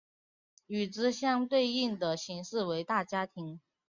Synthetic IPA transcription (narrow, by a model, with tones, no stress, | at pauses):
y˨˩ʈ͡ʂɻ̩˥ɕjɑ˥ŋt̪we˥˧ɪi˥˩ŋd̪ə˩ɕi˧˥ŋʂɻ̩˥˩we˧˥ɪt̪a˥˩t͡ɕja˥t̪ʰi˧˥ŋ